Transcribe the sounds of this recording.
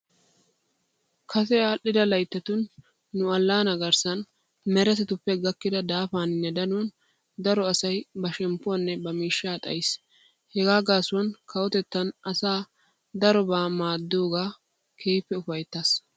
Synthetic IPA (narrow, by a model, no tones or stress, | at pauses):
kʰɐsɛaːʔɪd̪ɐlɐjt̪ːɐt̪ʊnː | ʊɐlːaːnɐɡɐɾsɐn | mɛɾɛsɛt̪ʊpːɛɡɐkːɪd̪ɐd̪aːfaːnɪnːɛd̪ɐnʊwɔn | d̪ɐɾɔɐsɐjbɐʃɛmpːʊɐnːɛbɐmiːʃːaːt̪ʼɐ̰jɪs | hɛɡaːɡaːsʊwɐnkɐwɔt̪ɛt̪ːɐnɐsaː | d̪ɐɾɔbaːmaːd̪ːoːɡaː | kʰeːpːɛʊfɐjt̪ːɐs